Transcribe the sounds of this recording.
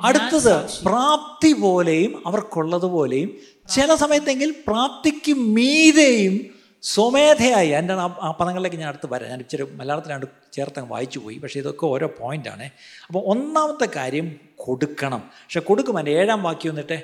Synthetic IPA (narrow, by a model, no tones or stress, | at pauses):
ɐɽut̪ːɐðɨpraːp̚t̪ipo̞ːlejumɐʋɐrkuɭːɐðupo̞ːle̞jum | t͡ɕilɐsɐmɐjɐt̪ːe̞ŋɡilpraːp̚t̪ikʲːummiːðejum | someːd̪ʰʱɐjaːjiɐndaːɳaːpɐnɐŋɐɭle̞kːeɲaːnɐɽut̪ːɨpɐɾa̰ɲaːnipːit͡ɕːoɾumɐlːaːlɐt̪ːinaːɳɖɨ | t͡ɕeːrt̪ːaːŋːɐʋa̰ːjit͡ɕːupo̞̰ːjipɐkʂeiðo̞kːeo̞ːɾo̞ːpoːjinda̰ːɳɨɐpːoːonːaːmɐt̪ːekaːɾjɐm | koɽukːɐɳɐmpɐkʂekoɽukːumaːneːɽaːmʋaːkːijuʋɐnːiʈːɨ